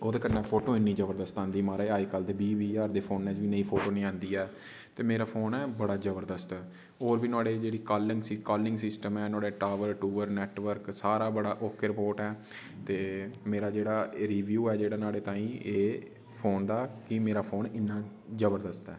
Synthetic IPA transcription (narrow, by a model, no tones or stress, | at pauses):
oːd̪eːkəɾnɛːpʰoːʈoːɪnːiːzəbəɾd̪əst̪ãːnd̪iːmaːɾeːaːiːkəld̪eːbiːʋiːaːɾd̪eːpʰoːnːɛ̃ːd͡ʒʋiːnəĩːpʰoːʈoːnĩːãːnd̪iːɛː | t̪eːmeːɾaːpʰoːnɛːbəɽaːzəbəɾd̪əst̪ɛː | oːɾʋiːnaːɽeːd͡ʒeːɽiːkaːlɪŋɡsiːkaːlɪŋɡsɪsʈəmɛːnoaːɽeːʈaːʋəɾʈuːəɾnɛːʈʋəɾksaːɾaːbəɽaːʔokʰːɾɪpoːɾʈɛː | t̪eːmeːɾaːd͡ʒeːɽaːɾiːʋjuːɛːd͡ʒeːɽaːnaːɽeːt̪aːĩːeː | pʰoːnd̪aːkɪmeːɾaːpʰoːnɪnːãː | zəbəɾd̪əst̪ɛ̰ː